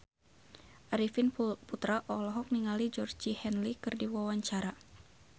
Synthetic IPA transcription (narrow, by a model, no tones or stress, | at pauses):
ʔaɾifinput̪ɾaʔɔlɔɦɔk̚niŋalid͡ʒɔrd͡ʒihɛnlikɨrdiwawaɲt͡ʃaɾa